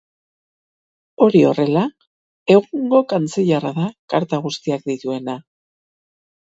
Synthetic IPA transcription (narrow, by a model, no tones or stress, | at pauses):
o̞ɾio̞re̞la | e̞ɣuŋɡo̞kant͡seʎaraðakaɾt̪aɣ̞ust̪iak̚d̪it̪ue̞na